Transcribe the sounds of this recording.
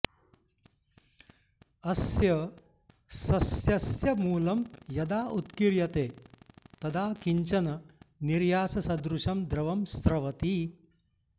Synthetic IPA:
ɐsjɐ | sɐsjɐsjɐmuːlɐmjɐd̪aːʔut̪kiɾjɐt̪eːt̪ɐd̪aːkiɲt͡ʃɐnɐniɾjaːsɐsɐd̪ɾuʃɐmd̪ɾɐʋɐmst̪ɾɐʋɐt̪i

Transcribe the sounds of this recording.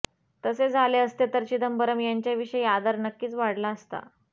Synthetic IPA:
t̪əsed͡zʱaleəst̪et̪əɾt͡ɕid̪əmbəɾəmjaɲt͡ɕjaʋiʂəjad̪əɾnəkːiːt͡sʋaɽlaəst̪a̰

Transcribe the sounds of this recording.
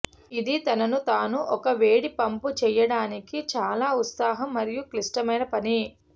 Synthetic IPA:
id̪it̪ɐnɐnut̪aːnuʔɔkɐʋeːɽipɐmput͡ʃɛjɐɽaːnikit͡ʃaːlaːut̪saːɦɐmːɐɾijuklisʈɐmɐjnɐpɐni

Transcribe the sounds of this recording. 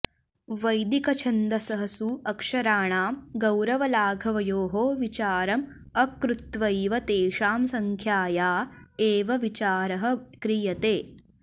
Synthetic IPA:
ʋɐjd̪ikɐt͡ʃʰɐnd̪ɐsɐɦɐsuɐkʂɐɾaːɳaːmɡɐwɾɐʋɐlaːɡʱɐʋɐjoːɦoːʋit͡ʃaːɾɐm | ɐkɾut̪ʋɐiʋɐt̪eːʂaːmsɐŋkʰjaːjaːeːʋɐʋit͡ʃaːɾɐɦɐ̆kɾijɐt̪eː

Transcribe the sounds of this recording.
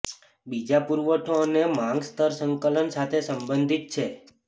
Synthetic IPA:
bid͡ʒapuɾʋəʈʰonemãŋɡst̪ʰəɾsəŋkələnsat̪ʰesəmbənd̪ʱit̪̚t͡ʃʰe

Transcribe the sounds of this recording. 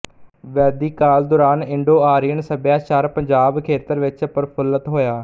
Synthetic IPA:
ʋɛːd̪iːkaːld̪ʊɾaːnɪɳɖoːaːɾiːənsəbjaːʃaɾpəɲd͡ʒaːbkʰeːt̪əɾʋɪt͡ʃpəɾpʰʊlət̪ɦoːjaː

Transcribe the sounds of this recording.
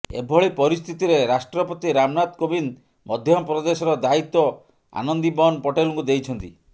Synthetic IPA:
ḛbʱɔɭipɔɾist̪ʰit̪iɾeɾasʈɾɔpɔt̪iɾamnat̪kobin | mɔd̪ʱjɔmpɾɔd̪esɔɾɔd̪ait̪ːɔ | a̰nɔnd̪ibɔnpɔʈeluŋkud̪ejt͡ʃʰɔnt̪ḭ

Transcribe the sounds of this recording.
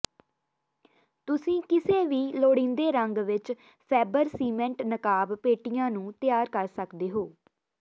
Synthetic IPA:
t̪ʊsĩːkɪseːʋiːloːɽĩːnd̪eːɾəŋɡʋɪt͡ʃ | pʰɛːbəɾsiːmɛ̃ɳʈnəkaːbpeːʈijãːnũːt̪ɪjaːɾkəɾsəkd̪eːɦoː

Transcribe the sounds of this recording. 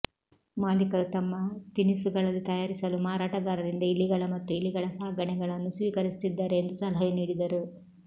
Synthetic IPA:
maːlikɐɾut̪ɐmːɐt̪inisuɡɐɭɐlːit̪ɐjaːɾisɐlumaːɾaːʈɐɡaːɾɐɾind̪ɐilːiɡɐɭɐmɐt̪ːuiliɡɐɭɐsaːɐɡɐɳɛɡɐɭɐnːusʋiːkɐɾist̪id̪ːaːɾeːnd̪usɐlɐɦɐjɐniːɽid̪ɐɾu

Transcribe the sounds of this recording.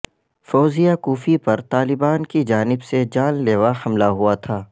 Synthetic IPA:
fɔːzijakuːfipɐɾt̪aːlɪbaːnkid͡ʒaːnɪbsed͡ʒaːnleːʋahɐmlaɦuat̪ʰaː

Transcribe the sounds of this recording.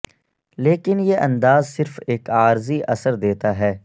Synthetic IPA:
leːkɪnjeʔɐ̃nd̪aːzsɪɾfeːkaːɾziʔɐsəɾd̪eːt̪aɦɛː

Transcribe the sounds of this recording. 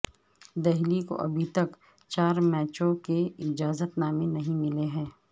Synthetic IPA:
d̪ɛɦliko̰ʔɐ̰bʱit̪ɐk | t͡ʃaːɾmɛːt͡ʃõkeɪd͡ʒaːzət̪naːmenɐɦĩmɪleɦɛ̃ː

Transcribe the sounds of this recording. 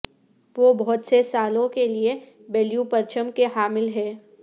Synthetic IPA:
ʋoːbɔɦʊt̪sesaːlõkelie | bɛːlijupɐɾt͡ʃʰəmkeɦaːmɪlɦɛː

